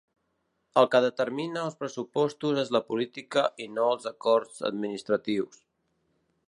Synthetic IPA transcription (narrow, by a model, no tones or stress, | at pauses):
əlˠkəðət̪əɾminəːlˠspɾəsupɔst̪uzezləpulit̪ikəʔinoəlˠzəkɔɾzə̰d̪minist̪ɾət̪iws